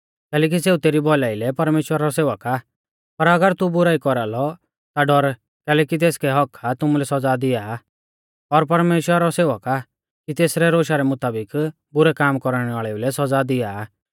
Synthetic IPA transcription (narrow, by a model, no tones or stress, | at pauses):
kɛːlɛːk̬iseːut̪eːɾibɔlaːilɛpɐɾmeːʃwəɾaɾɔseːʋəka | pɐɾɐɡəɾt̪ubʊɾaːikɔɾalɔ | t̪aɖɔɾ | kɛːlɛːkit̪̬eːskɛɦɔkʰːat̪ʊmulɛsɐd͡zad̪ɪjaː | ɔɾpɐɾmeːʃwəɾaɾɔseːʋəka | kit̪eːsɾɛɾoːʃaɾɛmʊt̪aːbɪk | bʊɾɛkaːmkɔɾɽ̃ɛʋaːɭɛulɛsɐd͡zad̪ɪjaː